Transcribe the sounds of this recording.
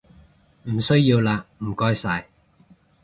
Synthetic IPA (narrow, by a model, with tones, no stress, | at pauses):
m̩˨˩sɵ˥ɥjiː˧wlaː˧m̩˨˩kɔː˥jsaː˧j